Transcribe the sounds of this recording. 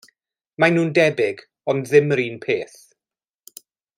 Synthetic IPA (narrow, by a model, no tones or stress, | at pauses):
manuːndɛbɪɡ | ɔndðɪmɾiːnpʰeːθ